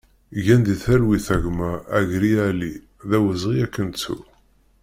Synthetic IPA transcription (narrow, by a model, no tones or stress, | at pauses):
ʝænd̪iθæɾwiθæʝmæːʝɾiæli | ðæwəzˤʁiækːənt͡sːṵ